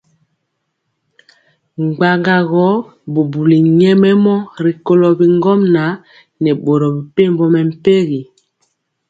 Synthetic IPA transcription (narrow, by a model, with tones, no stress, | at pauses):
ŋ͡mɡ͡ba˨ŋɡa˨ɣɔ˨˦ | bu˨bu˨li˨ɲɛ˦mɛ˦mɔ˦ɾi˨ko˦lɔ˨bi˨ŋɡɔ˦mna˨˦ | nɛ˨ɓo˨ɾɔ˨bi˨pe˦˨mbɔ˦mɛ˨m̩˨pe˦ɣi˨